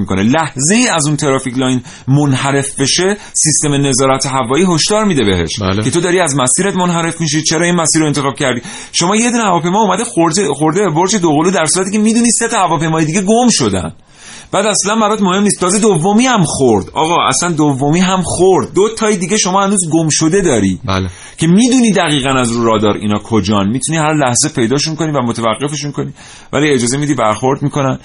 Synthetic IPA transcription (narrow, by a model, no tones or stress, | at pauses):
iko̰nḛlæhze̞iːæzunt̪ʰeɾɒːficʰlɒjn | monhæɾe̞fbe̞ʃe̞ | sist̪e̞mene̞zɒːɾæt̪ʰeɦævɒːiːɦo̞ʃd̪ɒːɾmiːd̪e̞be̞̰ɦe̞̰ʃkʰeod̪ɒːɾiæzmæsiːɾet̪monɦæɾe̞fmiʃ̬it͡ʃʰe̞ɾɒːinmæsiːɾoent̪e̞xɒːb̥̚cʰæɾd̪iː | ʃo̞mɒːje̞d̪uːnehævɒːpʰejmɒumæd̪exoɾexoɾd̪eboɾd͡ʒed̪oɣoluːd̪æɾsuːɾæt̪ʰiːcʲʰemiːd̪uːniːse̞t̪ɒhævɒːpejmɒːjed̪iːɟe̞ɡomʃo̞d̪æ̰n | b̥æːd̪æslænbæɾɒt̪mohe̞mniːst̪t̪ʰɒːze̞d̪ovːomiːhæmxoɾd̪ɒ̰ːɣɒːæ̰slænd̪ovːomiːɦæmxoɾd̪̚ːot̪ʰɒːjed̪iːɟe̞ʃo̞mɒːhænuːzɡomʃod̪e̞d̪ɒːɾḭ̥ːbl | cʰe̞miːd̪uːniːd̪æɣiːɣænæzɾuːɾɒːd̪ɒːɾḭːnɒːkʰod͡ʒɒːnmiːt̪ʰuniːhæɾlæhze̞pʰe̞jd̪ɒːʃunko̞nivæmot̪ʰevæɣːe̞fe̞ʃunkʰo̞niː | væ̰lied͡ʒɒːze̞mid̪iːbæɾxo̞ɾd̪miko̞næn